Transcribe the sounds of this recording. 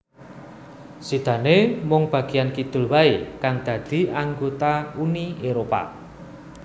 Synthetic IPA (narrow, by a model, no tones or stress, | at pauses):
sid̪̥ä̤nemɔŋb̥ä̤ɡ̥ijankid̪̥ʊ̤lwaekaŋd̪̥ä̤d̪̥i̤aŋɡot̪aunieɾopa̰